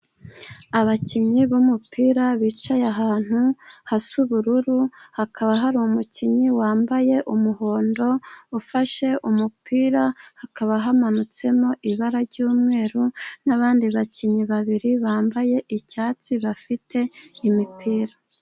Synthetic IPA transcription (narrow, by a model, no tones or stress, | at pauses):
aβaciɲɲiβumupʰiːɾaβiːt͡ʃajaɦaːn̥huhasuβuɾuɾuhakʰaβaɦaɾuumuciɲiwaːmbaje̞ʔumuho̞ːndo̞ufaʃe̞ʔumupʰiːɾahakaβaɦamanut͡se̞mo̞ʔiβaɾaɾɟuːmŋe̞ːɾunaβaːndiβaciɲɲiβaβiɾiβaːmbaje̞ʔicaːt͡siβafitʰe̞imipʰiːɾa